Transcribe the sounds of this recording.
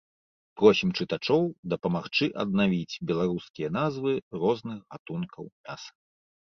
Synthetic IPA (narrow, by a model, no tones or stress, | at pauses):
pɾɔsʲimt͡ʂɨt̪at͡ʂɔwd̪ɐpɐmaxt͡ʂɨʔɐ̰d̪navʲit͡sʲbʲɛlˠaɾuskʲijɐnazvɨrɔznɨxɣat̪unkɐwmʲasɐ̥